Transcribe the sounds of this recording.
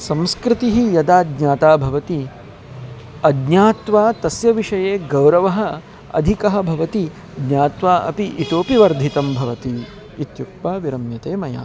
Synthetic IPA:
sɐ̃mskɾɪt̪iɦijɐd̪aːd̪ɲaːt̪aːbʱɐʋɐt̪i | ɐd̪ɲaːt̪ʋaːt̪ɐsjɐʋiʂɐjeːɡɐwɾɐʋɐɦɐ̆ | ɐ̰d̪ʱikɐɦɐ̆bʱɐʋɐt̪i | d̪ɲaːt̪ʋaːʔɐ̰piʔit̪oːpiʋɐɾd̪ʱit̪ɐmbʱɐʋɐt̪iː | t̪juk̪̚paːʋiɾɐmjɐt̪eːmɐja̰ː

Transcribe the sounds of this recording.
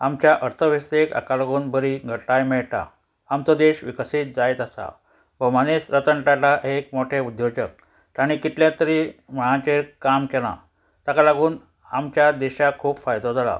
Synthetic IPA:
amt͡ɕjaʔəɾt̪ʰəʋeseka̰kalaɡuːnbʱəɾiːɡʱəʈajmeɭʈa̰ː | mt͡sod̪eɕʋikəsiːt̪̚d͡zajet̪asa̰ | bəmanesɾət̪əɳʈaʈaʔɦek̚moʈʰeud̪jod͡ʑək̚ | t̪aɽ̃ikit̪ljat̪əɾiːm̤əɭ̃ãt͡ɕekamkelã̰ | t̪akalaɡuːn | amt͡ɕjad̪eɕakʰuːpfajd̪od͡zʱala̰

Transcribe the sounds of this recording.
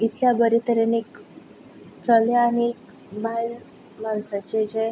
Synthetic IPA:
it̪ljabəɾit̪əɾenik | t͡səlaanik | bal | malsat͡ɕed͡ʑe

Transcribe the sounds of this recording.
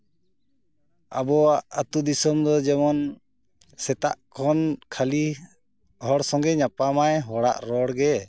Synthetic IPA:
a̰bɔwaʔat̪ud̪isɔmd̪ɔd͡ʒɛmɔn | sɛt̪a̰ʔkʰɔnkʰali | hɔɽsɔŋɡɛɲapamajɦɔɽa̰ʔɾɔɽɡɛ

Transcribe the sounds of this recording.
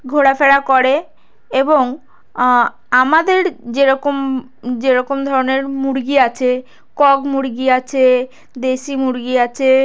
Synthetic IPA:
ɡʱoɽafeɽakoɾe | eboŋ | amad̪eɾd͡ʑeɾɔkom | d͡ʑeɾɔkomd̪ʱɔɾoneɾmuɽɡiat͡ɕʰe | kɔɡmuɾɡiat͡ɕʰe | d̪eʃimuɽɡiat͡ɕʰe

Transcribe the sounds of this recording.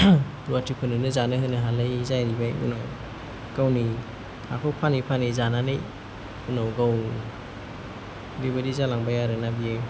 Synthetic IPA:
ɾuatʰipʰɯnɯnɯzanɯɦɯnɯɦalɯjzajɾibajṵnaw | ɡ̥awni | ha̰kʰɔwpʰanipʰanizananɯj | unawɡaw | bibadizalaŋbajaɾɯnabije

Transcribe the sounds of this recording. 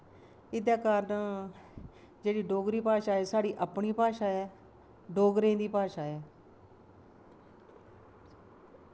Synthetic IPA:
ɪd̪aːkaːɾna | d͡ʒeːɽiːɖoːɡɾiːpaːʃaːɛːsaːɽiːʔəpɳiːpaːʃaːɛː | ɖoːɡɾẽːd̪iːpaːʃaːɛː

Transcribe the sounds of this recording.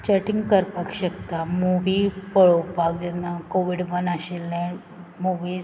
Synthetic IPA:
t͡ɕəʈiŋɡkəɾpəkɕəkt̪amuʋipəɭopakd͡ʑɛnːakoʋiɽbənaɕelnɛ̃ | muʋiːz

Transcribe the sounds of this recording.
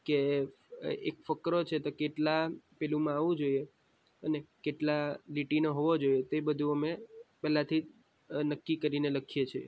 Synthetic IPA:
ke | ekfəkɾot͡ʃʰet̪okeʈlapelumãaʋũd͡ʒoie | ənekeʈlaliʈinəɦoʋod͡ʒojet̪ebəd̪ʱũəmepɛlãt̪ʰi | nəkːikəɾineləkʰijet͡ʃʰe

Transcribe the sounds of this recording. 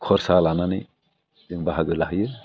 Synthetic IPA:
kʰɔɾsalananɯ | diŋbaɦaɡɯlaɦjɯ

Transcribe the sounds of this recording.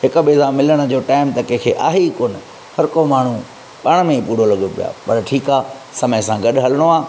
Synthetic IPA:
hɪkʊɓeːzãmɪləɽ̃ə̆d͡ʑoːʈaːɪmt̪ɐkẽkʰeːʔaːɦekoːnɪ | hɐɾkomaːɳ̤ũ | ɓaːɽ̃mẽpuːɽ̤olɐɠopija̰ːpɐɾʈʰiːkaː | sɐməjsãɡɐɗɦɐləɽ̃oaː

